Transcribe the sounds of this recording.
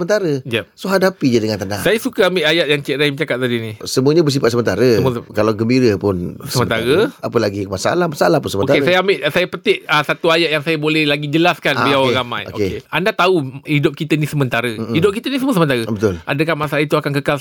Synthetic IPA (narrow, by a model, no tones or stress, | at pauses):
əmənt̪aɾəjasoɦadapid͡ʒadəŋant̪əna̰hsajasukaambɪʔajat̪̚jaŋt͡ʃɛʔɾajmət͡ʃakat̪̚sadinisəmũəɲabəs̬ipat̪̚səmənt̪aɾəəmuskalawɡəmbiɾəpʊnssəmmənt̪aɾəapəlaɡimasaa̰lahmasaalahpʊnsəməoaesajaambɪʔsajapət̪ɪʔəsat̪uajaʔ̚jaŋsajabolɛhlaɡid͡ʒəlaskanilawaŋɾamã̰jo̰o̰keeandat̪auhidʊp̚kit̪ənisəmənt̪aɾəhidʊp̚kit̪ənisəmuəs̬əmənt̪aɾəbət̪ʊla̰dəkanmasalait̪uakankəkal